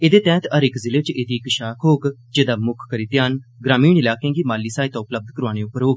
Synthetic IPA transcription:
eːd̪eːt̪ɛ̃ːt̪əɾɪkzɪleːt͡ʃeːd̪iːkəʃaːkʰɦoːkd͡ʒeːd̪aːmʊkʰːəɾiːt̪jaːnɡɾaːmiːɳɪlaːkẽːɡiːmaːliːsaːiːt̪ãːʊpləb̚d̪kəɾoaːñẽːʊpːəɾɦoːɡ

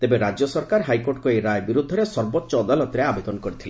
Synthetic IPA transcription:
t̪ebeɾad͡ʒjɔsɔɾkaɾɦajkoɾʈkoejɾajbiɾud̪ʱːɔɾesɔɾbɔtːʃɔːd̪alɔt̪ɾeabed̪ɔnɔkɔɾit̪ʰile

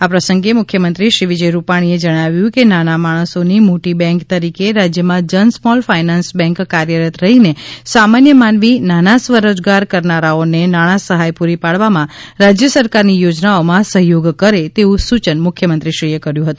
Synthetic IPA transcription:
apɾəsəŋɡemʊkʰjəmənt̪ɾiʃɾiʋid͡ʒəjɾupaɽ̃ied͡ʒəɽ̃aʋjũkenanamaɽ̃əsonimoʈibɛ̃ŋkt̪əɾikeɾad͡ʒjəmãd͡ʒənsmɔlfainansbɛ̃ŋkːaɾjəɾət̪ɾəɦinesamanjəmanʋinanasʋəɾod͡ʒɡaɾkəɾnaɾaonenaɽ̃asəɦajpuɾipaɽʋamãɾad͡ʒjəsəɾkaɾnijod͡ʒnaomãsəɦjoɡkəɾet̪eũsut͡ʃənmʊkʰjəmənt̪ɾiʃɾiekəɾjũɦət̪ũ

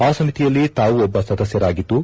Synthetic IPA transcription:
aːsɐmit̪ijɐlːit̪aːʋuɔbːɐsɐd̪ɐsjɐɾaːɡit̪ːu

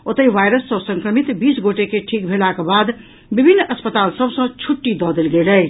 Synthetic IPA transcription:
ot̪əiʋajɾəsːəbsə̃ŋkɾəmit̪bisɡoʈekeʈʰik̚bʱelakebad̪ | bibʱinːəspət̪alsəbsə̃t͡ʃʰuʈːid̪ɔd̪elɡeləj

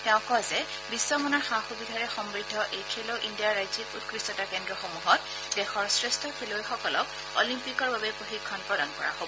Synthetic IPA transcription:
tɛʊ̃kɔzɛ | bisːɔmɔnɔɹxaxubidʱaɹɛxɔmɹidʱːɔʔetʰeloʔindijaɹajzikutkɹisɔtakɛndɹɔxomuɦɔt | dɛxɔɹsɹɛstʰɔkʰelojxɔkɔlɔk̚ | o̰limpikɔɹbabɛpɹoxikʰːɔnpɹɔlɔnkɔ̰ɹa̰ɦobɔ

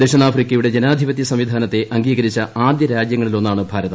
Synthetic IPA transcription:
d̪eɕɐnaːfrikʲːɐjuɽe̞d͡ʑenaːd̪ʱibɐt̪ːjɐsɐmʋid̪ʱaːnɐt̪ːe̞ʔɐŋɡiːɣɐɾit͡ɕːɐaːd̪jɐɾaːd͡ʑjɐŋːɐɭilo̞nːaːɳɨbʱaːɾɐðɐ

